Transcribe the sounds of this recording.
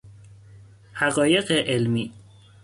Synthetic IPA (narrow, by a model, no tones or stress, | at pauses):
hæɣɒːje̞ɢeʔelmiː